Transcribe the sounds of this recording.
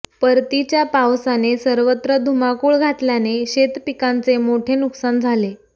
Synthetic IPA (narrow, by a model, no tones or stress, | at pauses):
pəɾt̪it͡ɕjapawsanesəɾʋət̪ɾəd̪ʱumakuːɭɡʱaʈljaneɕet̪pikant͡semoʈʰenuksand͡zʱale